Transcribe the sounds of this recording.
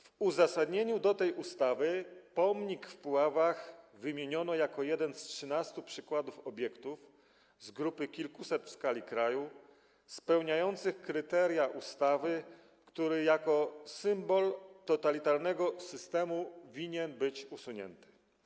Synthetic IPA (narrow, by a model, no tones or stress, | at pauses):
vuzasad̪ɲeɲud̪ɔt̪ɛjʔust̪avɘpɔmɲikfpwavaxvɘmʲjeɲɔnɔjakɔjɛd̪ɛnstʂɘnast̪upʂɘkwad̪ufɔbʲjɛkt̪uf | zɡɾupɘkʲilkusɛt̪fskalʲikɾaju | spɛwɲajɔnt̪sɘxkɾɘt̪ɛɾjaʔust̪avɘ | kt̪uɾɘjakɔsɘmbɔlt̪ɔt̪alʲit̪aɾnɛɡɔsɘst̪ɛmuvʲiɲɛnbɘt͡ɕusuɲɛ̰nt̪ɘ̥